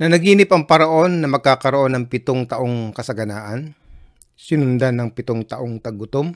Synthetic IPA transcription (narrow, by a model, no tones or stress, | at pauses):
nɐnɐɡiːnɪpɐŋpɐɾɐʔo̞nːɐmɐɡ̚kaːkɐɾoʔo̞nːɐŋpɪt̪oŋt̪ɐʔo̞ŋkɐsɐɡɐnaːʔɐn | sɪnʊnd̪anːɐŋpɪt̪oŋt̪ɐʔo̞ŋt̪ɐɡʊt̪om